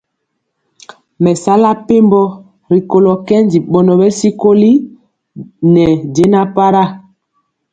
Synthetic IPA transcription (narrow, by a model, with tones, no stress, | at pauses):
mɛ˨sa˦la˦pe˦mbɔ˦ | ɾi˨ko˨lɔ˨kɛ˦n˦di˨ɓɔ˨nɔ˨bɛ˦si˦ko˦li˦ | nɛ˨ɟe˦na˦pa˦ɾa˦˨